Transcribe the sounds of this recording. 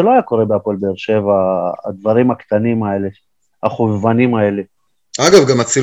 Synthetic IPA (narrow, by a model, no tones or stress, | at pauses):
eloajako̞ʁe̞beapolbeːʁʃe̞vaːd̪vaʁimakt̪animae̞le̞ | aχovanimae̞le | aɡavɡamat͡si